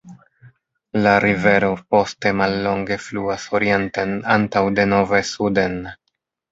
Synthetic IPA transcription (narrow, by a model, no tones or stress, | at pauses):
laɾive̞ɾo̞po̞ste̞malːo̞ŋɡe̞fluaso̞ɾie̞ntenantawde̞no̞ve̞sude̞n